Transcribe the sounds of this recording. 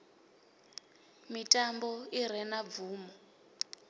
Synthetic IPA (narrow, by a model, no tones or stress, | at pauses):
mitʼambɔiɾɛnab̪vuːmɔ